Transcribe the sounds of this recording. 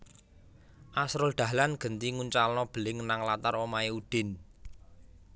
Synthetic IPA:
ʔasɾʊld̪̥ä̤hlanɡ̥ənt̪iŋuɲt͡ʃalnɔb̥ə̤lɪŋnaŋlat̪aɾomaeud̪̥ɪ̤n

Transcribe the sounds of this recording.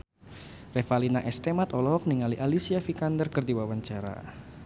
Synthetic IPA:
refalinaʔɛst̪emat̪ɔlɔɦɔk̚niŋaliʔalisiafikandərkərdiwawaɲt͡ʃaɾa̰

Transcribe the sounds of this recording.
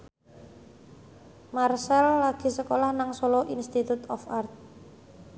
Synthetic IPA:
marsɛlːaɡ̥i̤səkolahnaŋsɔlɔʔinst̪it̪ut̪ɔfart̪̚

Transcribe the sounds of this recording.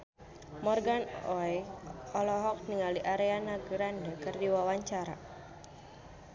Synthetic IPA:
mɔrɡanɔjɔlɔɦɔk̚niŋaliʔaɾeanaɡəɾandəkɨrdiwawaɲt͡ʃaɾa̰

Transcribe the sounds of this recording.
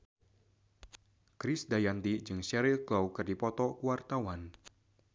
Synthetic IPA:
kɾɪsdajant̪id͡ʒɨŋsɛɾilklawkɨrdipɔt̪ɔkuwart̪awan

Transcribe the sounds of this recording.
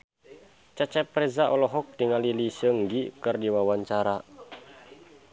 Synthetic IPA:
t͡ʃat͡ʃɛprɛzaʔɔlɔɦɔk̚diŋalilisəŋɡikɨrdiwawaɲt͡ʃaɾa

